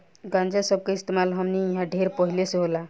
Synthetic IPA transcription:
ɡãnd͡ʒasəb̚kaist̪emalɦəmniiɦãɖʱeɾpəɦilesɦola

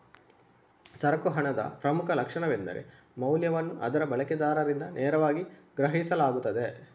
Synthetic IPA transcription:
sɐɾɐkuɦɐɳɐd̪ɐ̰pɾɐmukʰɐlɐkʂɐɳɐʋend̪ɐ̰ɾḛ | mɐwljɐʋɐnːuʔɐ̰d̪ɐɾɐbɐɭɐkɛd̪aːɾɐɾind̪ɐnʔɛːɾɐʋaːɡiɡɾɐɦisɐlaːɡut̪ːɐd̪e̞

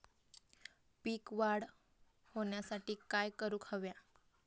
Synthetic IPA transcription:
piːkʋaɽ | hoɳjasaʈiːkajkəɾuːkʰəʋja

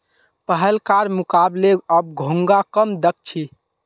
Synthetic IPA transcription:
pəɦəlkaɾmukableəb̚ɡʱuŋɡakəmd̪ək̚t͡ʃʰi

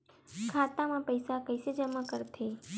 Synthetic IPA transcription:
kʰat̪amãpəjsakəjsed͡ʒəmãkəɾt̪ʰe

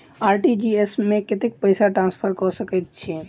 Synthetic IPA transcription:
aɾʈid͡ʒiesmẽket̪ek̚pəɪsaʈɾãnspʰəɾkɔsəkɛt̪̚t͡ʃʰiɛ

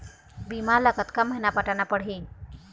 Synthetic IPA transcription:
bimaləkət̪kaməjnapaʈanapəɽɦiːn

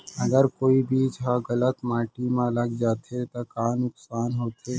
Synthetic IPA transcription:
ɐɡəɾkoːibʱiːd͡ʒɦaɣələt̪maːʈimãləɡd͡ʒaːt̪ʰet̪okaːnʊksaːnɦoːt̪ʰe

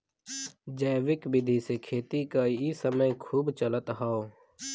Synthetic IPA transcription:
d͡ʒɛːʋɪkbɪd̪ʱisekʰeːt̪ikajisəməjkʰuːbt͡ʃələt̪ɦaːoː

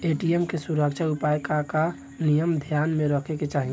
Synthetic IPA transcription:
eʈiemkesuɾəkt͡ʃʰaupajkaka | nijəmd̪ʱjaːnmẽɾəkʰeket͡ʃaːɦi

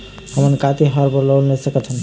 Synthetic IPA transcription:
həmənkat̪eɦəɾpəɾlɔwlnɛsəkət̪ʰən

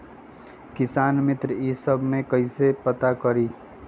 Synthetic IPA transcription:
kɪsaːnmɪt̪ɾəiːsəbʱmẽkɐisepət̪akəɾiː

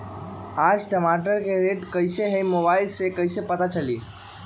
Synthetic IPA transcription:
ad͡ʒʈəmaʈəɾkeɾeʈkəɪseɦejmobaɪlsekəɪsepət̪at͡ʃəli

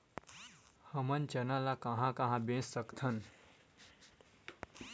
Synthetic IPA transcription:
həmənt͡ʃənalakaɦãkãɦãbẽːsːəkt̪ʰən

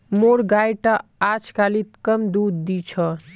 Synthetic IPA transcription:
moɾɡajʈaat͡ʃʰkalit̪kəmd̪ud̪ːit͡ʃʰə

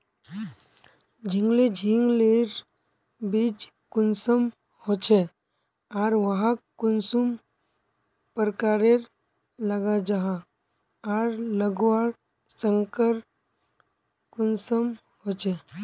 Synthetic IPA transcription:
d͡ʒʱiŋɡled͡ʒʱiŋɡleɾ | bid͡ʒ | kʊnsəm | hot͡ʃʰe | aɾʋəɦãkʊnsum | pəɾkaːɾeɾ | ləɡad͡ʒaɦa | ɾləɡwaɾ | səŋkəɾ | kʊnsəm | hot͡ʃʰe

